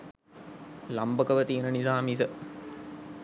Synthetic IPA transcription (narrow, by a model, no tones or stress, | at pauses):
lambəkəʋət̪ijənənisaːmis̬ə